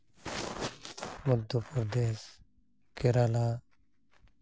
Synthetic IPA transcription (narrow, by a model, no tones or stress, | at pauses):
mʊd̪opəɾd̪eːs | keɾaːlaː